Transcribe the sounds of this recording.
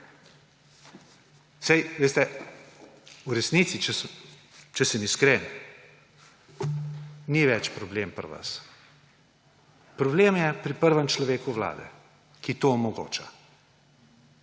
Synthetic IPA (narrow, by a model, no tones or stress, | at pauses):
sɛjʋeːst̪ɛ | uɾɛsnit̪sit͡ʃɛs | t͡ʃɛsəmiskɾeːn | niʋɛt͡ʃpɾɔblempəɾʋə̰s | pɾɔbleːmjɛpɾipəɾʋəmt͡ʃlɔʋeːkuʋla̰ːd̪ɛ̰ | kit̪omɔɡo̰ːt͡ʃa